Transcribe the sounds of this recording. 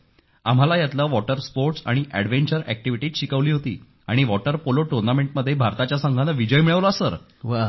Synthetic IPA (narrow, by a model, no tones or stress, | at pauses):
am̤alajat̪ləːʋɔʈəɾspoɾʈsa̰ɽ̃iʔæɽʋeɳt͡ɕəɾæ̰k̚ʈiʋiʈiːt̪ɕikəʋliːɦot̪ḭː | a̰ɽ̃iʋɔʈəɾpoloʈuɾnameɳʈ̚məd̪ʱːjebʱaɾt̪at͡ɕjasəŋɡʱanəʋid͡ʑəjmiɭəʋloasəɾ | ʋa